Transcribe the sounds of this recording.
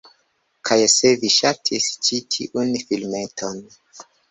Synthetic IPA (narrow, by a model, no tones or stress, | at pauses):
kʰajseviʃatʰist͡ʃitʰḭʔunfilmetʰon